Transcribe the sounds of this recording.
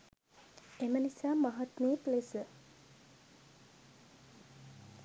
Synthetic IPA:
emənisaːmaɦat̪meːəplesə

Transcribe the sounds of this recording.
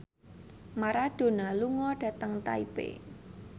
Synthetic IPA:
maɾaɖ̥o̤naluŋɔɖ̥ä̤t̪əŋt̪a̰ipḛ

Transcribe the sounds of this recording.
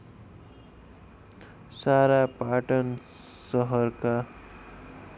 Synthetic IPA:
saɾapaʈʌnsʌɦʌrka

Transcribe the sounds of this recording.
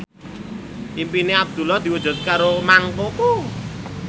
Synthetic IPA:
ʔimpineab̚d̪̥ṳlɔd̪̥i̤wudd͡ʒ̥ʊ̤t̪̚kaɾomaŋpoko

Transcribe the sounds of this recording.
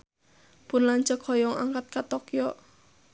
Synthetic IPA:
pʊnlaɲt͡ʃəkhɔjɔŋa̰ŋkat̪̚kat̪ɔkjɔ

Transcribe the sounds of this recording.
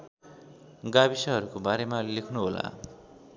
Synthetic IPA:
ɡabisʌɦʌɾukobaɾemalekʰnuɦola̰

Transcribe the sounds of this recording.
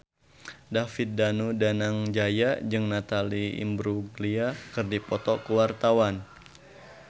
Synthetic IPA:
dafit̪̚danudanaŋd͡ʒajad͡ʒɨŋnat̪aliḭmbɾuɡliakɨrdipɔt̪ɔkəwart̪awan

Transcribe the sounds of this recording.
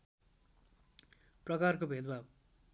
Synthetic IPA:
prʌkarkobʱed̪bab

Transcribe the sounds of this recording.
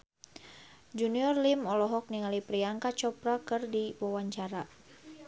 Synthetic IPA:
d͡ʒuniɔrlimɔlɔɦɔk̚niŋalipɾiaŋkat͡ʃɔpɾakɨrdiwawaɲt͡ʃaɾa

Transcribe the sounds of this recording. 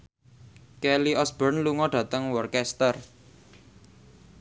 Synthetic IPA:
kɛliʔɔsb̥ərnluŋɔɖ̥ä̤t̪əŋwɔrkɛst̪ər

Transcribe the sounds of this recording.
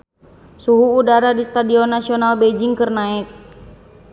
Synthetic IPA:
suɦuːdaɾadist̪adiɔnːasiɔnalbed͡ʒɪŋkɨrnaɛk̚

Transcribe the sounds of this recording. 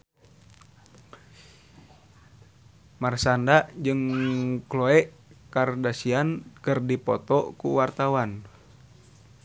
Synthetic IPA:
marsandaʔd͡ʒɨŋkloɛʔkardasiankɨrdipɔ̰t̪ɔkṵwart̪awan

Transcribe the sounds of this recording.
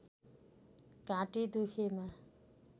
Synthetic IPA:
kãʈid̪ukʰema

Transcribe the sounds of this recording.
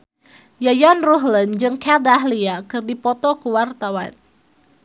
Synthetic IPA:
jajanruɦlənd͡ʒɨŋkʰɛdaɦliakɨrdipɔt̪ɔkuwart̪awan

